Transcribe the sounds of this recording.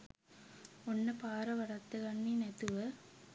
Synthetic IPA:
ɔnːɐpaːɾɐʋɐɽɐt̪ːɐkɐɳːinet̪ɯʋɐ

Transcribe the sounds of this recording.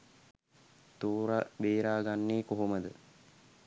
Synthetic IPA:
t̪uːɾabeːɾaːɡanːeːkoɦoməd̪ə

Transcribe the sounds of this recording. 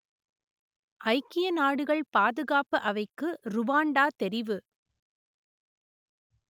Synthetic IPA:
ʔɐɪkːɪjɐnaːɽɯɣɐɭpaːðɯɣaːpɯʔɐʋɐɪkːɯɾʊʋaːɳɖaːt̪ɛɾɪʋɯ

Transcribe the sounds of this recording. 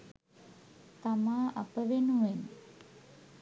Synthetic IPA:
t̪amaa̰pəʋenɦuen

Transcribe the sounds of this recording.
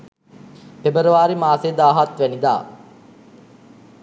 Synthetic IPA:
pebəɾəʋaːɾimaːsed̪aːɦat̪ʋænid̪a̰ː

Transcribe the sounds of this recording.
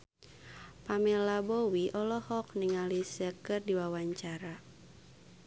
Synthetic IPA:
pamɛlabowiʔɔlɔhɔkniŋalisɛkɨrdiwawaɲt͡ʃaɾa

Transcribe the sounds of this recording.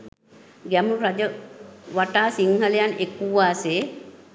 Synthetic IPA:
ɡɛmuɾad͡ʒəʋaʈaːsiŋhəlejanekuʋaːseː

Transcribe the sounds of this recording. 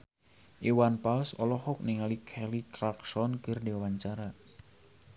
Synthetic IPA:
ʔiwanpalsɔ̰lɔhɔk̚niŋalikʰɛliklaksɔnkərdiawaɲt͡ʃaɾa

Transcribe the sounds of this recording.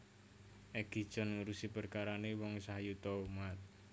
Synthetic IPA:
ʔɛɡ̥i̤̥t͡ʃɔ̤nuɾusipərkaɾanewɔŋsaɦajut̪ɔumat̪̚

